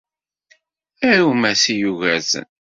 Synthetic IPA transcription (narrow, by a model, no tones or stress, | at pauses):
æɾumæsijuʝæzə̰n